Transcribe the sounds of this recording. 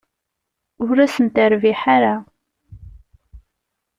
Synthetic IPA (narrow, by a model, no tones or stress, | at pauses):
ʊɾæsənt̪əɾviħaɾa